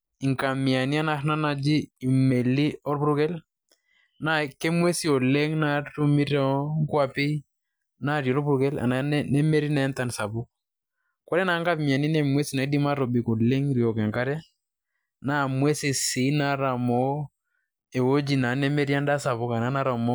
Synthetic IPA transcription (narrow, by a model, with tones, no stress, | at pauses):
i˨ŋka˨mi˨a˨ni˦a˦na˦na˦na˦d͡ʒiː˦˨me˨li˦ɔ˦ɾpu˦ɾu˦kɛ˦l | na˦ke˦mwe˦si˦ɔ˨le˦ŋna˦tu˦mi˦ɾɛ˦ŋ˦kwa˦pɪ˦ | na˦˨ɾjɔ˨ɾbu˦ɾu˦kɛ˦la̰˨na˨˦nɛ˦me˦ɾi˦na˨ɛ˦nta˨nsa˨bʊ˦k̚ | kɔ˦ɾɛ˦na˨˦ŋɡa˦pmi˨a˨ni˦ne˨mwe˦si˨˦na˨˦di˦ma˦ɾo˨bi˨ko˨le˦ŋɾi˨ɔ˨kɛ˨ŋka˦ɾja˦ | na˦˨mwe˦si˨si˨˦na˦ɾa˨mo˨˦ | e˨wo˦d͡ʒi˨na˨˦ne˦me˦ɾja˦nda˦sa˨βʊ˦ka˨na˦na˦ɾa˨mɔ˦